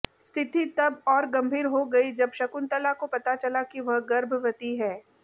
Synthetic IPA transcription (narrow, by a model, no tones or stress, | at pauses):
st̪ʰɪt̪it̪ɐbɔːɾɡɐ̃mbʱiːɾɦoɡɐid͡ʒɐbʃɐkʊnt̪əlakopɐt̪at͡ʃɐlakiʋɐɦɡɐɾbʱʋɐt̪iɦɛː